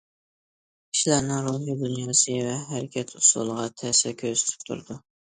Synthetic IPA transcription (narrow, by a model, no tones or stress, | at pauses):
kʲʰi̥ʃilæɾnɪŋɾoɦjɑd̪unjɑsɨvɛɦæɾɪkʲʰɛt̪ʰʊsṵlˠəʁɑt̪ʰæsɛkʲʰøzy̥t̪ʰɪ̥p̚t̪ʰṵɾd̪u